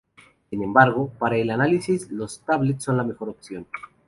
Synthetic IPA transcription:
sinẽ̞mbaɾɣ̞opaɾaelanalisislo̞st̪aβlet̪sːo̞nlame̞xo̞ɾo̞pθjo̞n

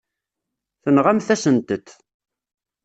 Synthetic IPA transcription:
θənʁæmθæsənt̪ət̪

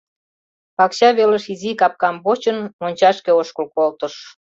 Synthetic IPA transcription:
pɑkɕɑβeləʃizikɑp̚kɑmbot͡ɕənmonʲt͡ɕɑʃkeoʃkəlkolt̪ə̆ʃ

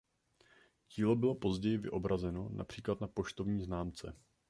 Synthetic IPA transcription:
ɟiːlo̞bɪlo̞po̞zɟɛjɪvɪ̰ʔo̞bɾazɛno̞na̰pr̥iːklat̪napoʃt̪o̞vɲiːznaːmt͡sɛ̰

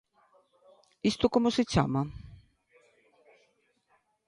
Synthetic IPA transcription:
ist̪ʊkomosɪt͡ʃa̰ːma

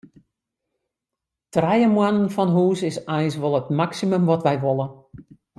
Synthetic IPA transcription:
trɛjəmwanənfɔnɦuːsɪsɛjsʋɔlˠətmaksiməmʋɔtʋɛjʋolˠə

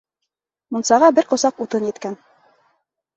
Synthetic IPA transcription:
mŭnsɑʁɑbɘɾqŏsɑqut̪ɤnjɘ̆t̪kæn

